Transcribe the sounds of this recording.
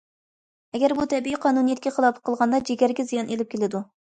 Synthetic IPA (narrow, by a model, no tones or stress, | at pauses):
ɛɡʲæɾbut̪ʰɛbiiqʰɑnunijɛt̪kʲɛχəlˠɑpʰə̥qʰːəlˠʁɑnd̪ɑd͡ʒeɡʲæɾɡʲɛzijɑnʔelɪp̚kʲʰelɪd̪u